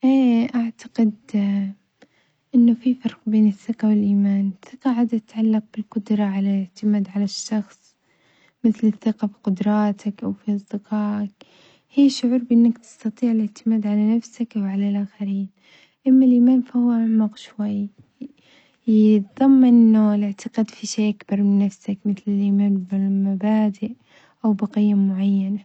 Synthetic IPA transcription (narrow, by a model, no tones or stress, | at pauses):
ʔeːʔaʕt̪ḁqɪd̪ | ʔɪnːʊfifɑɾˤqbeːnɪθːɪqawɪlʔiːmaːnθːɪqɑʕaːd̪at̪ɪt̪ʕalːɑq̚bɪlqʊd̪ɾˤɑʕalalɪʕt̪ɪmaːd̪ʕalaʃːɑxsˤ | mɪθlɪθːɪqɑfi̥qʊd̪ɾˤɑːt̪ʰakʔawfiʔɑsˤd̪ɪqɑːʔak | hiːʃːʊʕuːɾˤbʔɪnːakt̪ɪ̥st̪ɑt̪ˤiːʕɪlɪʕt̪ɪmaːd̪ʕalanafsakʔawʕalalʔaːxaɾiːn | ʔamːalʔimaːnfahʊwaʔaʕmaqʃwajː | jɪt̪ðˤɑmːʔɪnːʊlɪʕt̪ʰaqad̪fiʃeːʔakbɑɾˤmɪnːafsakmɪθlɪlʔimaːnbɪmabaːd̪ɪʔ | ʔawbɑqijːamʊʕajːana